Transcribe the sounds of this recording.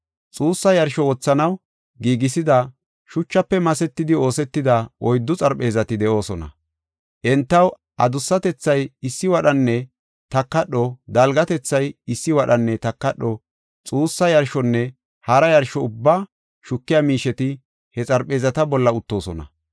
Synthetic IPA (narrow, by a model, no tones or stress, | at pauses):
t͡sʼuːsːɐjɐɾʃɔwɔt͡sːɐnɐw | ɡiːɡɪsɪd̪ɐ | ʃʊt͡ʃːɐpːɛmɐsɛt̪ːɪd̪ɪo̞ːsɛt̪ːɪd̪ɐʔɔjd̪ːʊt͡sʼɐɾpʼːe̞ːzɐt̪ɪd̪ɛʔo̞ːsɔnɐ̰ | ʔɛnt̪ːɐw | ʔɐ̰d̪ʊsːɐt̪ɛt͡sːɐjɪsːɪwɐɗɐnːɛ | t̪ɐkːɐɗːɔd̪ɐlɡɐt̪ɛt͡sːɐjɪsːɪwɐɗɐnːɛt̪ɐkːɐɗːɔ | t͡sʼuːsːɐjɐɾʃɔnːɛ | hɐɾɐjɐɾʃɔʊbːa | ʃʊkːɪjamiːʃɛt̪ɪ | hɛt͡sʼɐɾpe̞ːzɐt̪ɐbɔlːɐʊt̪ːo̞ːsɔnɐ̰